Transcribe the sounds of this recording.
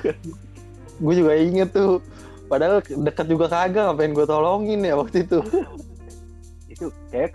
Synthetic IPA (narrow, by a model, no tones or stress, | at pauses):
ɡuad͡ʒuɡaiŋət̪ːu | padaɦaldəkat̪̚d͡ʒuɡakaɡaŋapajaŋɡuat̪ɔlɔŋɪnjawak̚t̪uit̪u | it̪ukaja